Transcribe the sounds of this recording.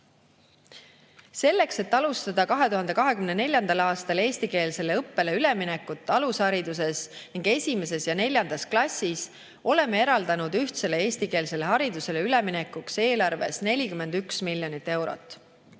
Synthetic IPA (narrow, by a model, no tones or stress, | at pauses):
se̞lːe̞kse̞t̪ːɑlust̪ɑd̪̥ɑkɑɦe̞t̪uɦɑnd̪̥e̞kɑɦe̞kymnene̞lʲjɑnd̪ɑlɑːst̪ɑle̞ːsʲt̪ike̞ːlse̞le̞ɤpːe̞leyle̞minekːut̪ˑːɑlushɑɾid̪̥us̬e̞sniŋɡe̞sʲime̞se̞sjɑne̞lʲjɑnd̪̥ɑsklɑsʲːis | o̞le̞mːee̞ɾɑld̪̥ɑnud̪̥yht̪se̞le̞e̞ːsʲt̪ike̞ːlse̞le̞ɦɑɾid̪̥use̞leyleminekːukse̞ːlɑrve̞̰sne̞lʲikyme̞nd̪̥yksmilʲjo̞nit̪ːe̞wɾo̰t̪ːˑ